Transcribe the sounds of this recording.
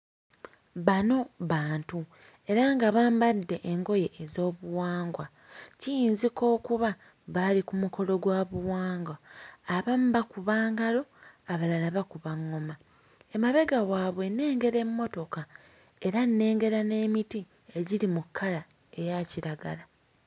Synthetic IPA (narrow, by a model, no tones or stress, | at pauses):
βano̞βaːntu | e̞ɾaŋɡaβaːmbadːe̞ʔeŋɡo̞je̞ʔːzo̞ːβuwaːŋɡwa | cijiːnziko̞ːkuβa | βalikumuko̞lo̞ɡwaːβuwaːŋɡwaːβam̩bakuβaːŋɡalo̞aβalalaβakuβaŋːo̞ma | emaβe̞ɡawaːβwe̞ne̞ːŋɡe̞ɾe̞mːo̞to̞ka | e̞ɾanːe̞ːŋɡe̞ɾane̞ːmiti | eɟiɾimukʰːala | e̞jaciɾaɡa̰la